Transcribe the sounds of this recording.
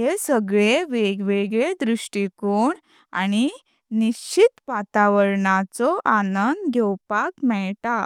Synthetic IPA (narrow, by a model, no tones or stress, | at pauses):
ɦesəɡɭeʋeɡʋeɡɭed̪ɾuʂʈikoɳ | a̰ñi | nit͡ɕit̪pat̪aʋəɾɳat͡sɔʔanənd̪ɡʱɛwpakmɛɭʈa